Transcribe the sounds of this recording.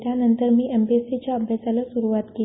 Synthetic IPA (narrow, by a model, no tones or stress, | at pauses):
ʈjanənt̪əɾmiːʔembeset͡ɕjaəbʱjasalasuɾuʋat̪ke